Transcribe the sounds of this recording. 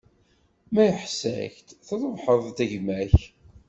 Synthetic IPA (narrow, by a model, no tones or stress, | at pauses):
mæjəħsæ̰çt̪θəɾˤəvħəðˤt̪æʝmæç